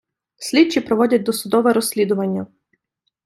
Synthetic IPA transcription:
sʲlʲitt͡ʃipɾɔʋɔdʲɐt̚ʲd̪ɔsʊd̪ɔʋɛɾɔsʲlʲid̪ʊʋɐnʲːɐ

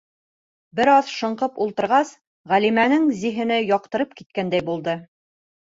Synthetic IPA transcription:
bɘ̆ɾɑðʃɤ̆ɴqɤpulˠt̪ɤ̆ɾʁɑs | ʁælimænɘŋziɦɘ̆nɘjɒqt̪ɤ̆ɾɤp̚kit̪̚kænd̪æjbulˠd̪ɤ

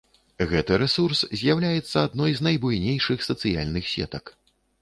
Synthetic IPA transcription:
ɣɛt̪ɨɾɛsurszʲjawlʲajɛt̪sːɐad̪nɔjznɐjbujnʲejʂɨxsɐt̪sɨja̰lʲnɨxsʲɛ̰t̪ɐk

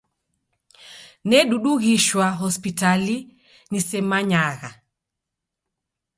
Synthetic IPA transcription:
nɛɗuɗuɣiʃwaɦɔspitali | nisɛmaɲaɣa

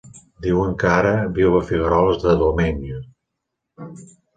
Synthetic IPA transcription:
d̪iwəŋkaɾəβiwβəfiɣəɾɔlˠzðəðumɛnju

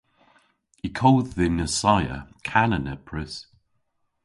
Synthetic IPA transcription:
ikʰɔwððɪnəsajə̰kʰanənɛpʰɹɪs

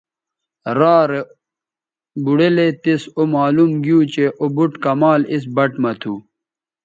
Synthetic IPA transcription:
ɾaːɾe | buɽelet̪esomaːlumɡijut͡ɕeʔobuʈkɐmaːlis̬bɐʈmɐt̪ʰuː

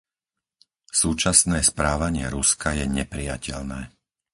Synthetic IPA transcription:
suːt͡ʃasnɛːspɾaːʋaɲɪɛɾuskajɛɲɛpɾijacʰɛʎnɛː

